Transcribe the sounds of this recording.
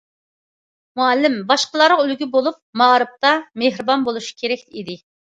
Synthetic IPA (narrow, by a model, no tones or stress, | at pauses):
muælːɪmbɑʃqəlˠɑɾylɡʲybolˠup̚mɑɾɨp̚t̪ɑmehɾɨbɑnbolˠuʃi̥kʲʰeɾɛkʲlid̪ɪ